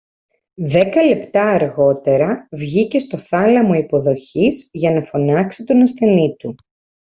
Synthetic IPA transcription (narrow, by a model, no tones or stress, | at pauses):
ðe̞kɐle̞pt̪ɐːɾɣo̞t̪e̞ɾɐvʝice̞st̪o̞θɐlɐmoipo̞ðo̞çizʝɐnɐfo̞nɐksit̪onɐsθe̞nit̪u